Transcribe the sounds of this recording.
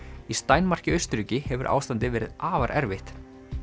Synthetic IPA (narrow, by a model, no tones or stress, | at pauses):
ist̪aːjnmar̥cɪœɥst̪ɾʏːcɪhɛvʏɾʔa̰wst̪ant̪ɪvɛːɾɪ̰ðaːvaɾʔɛɾvɪht̪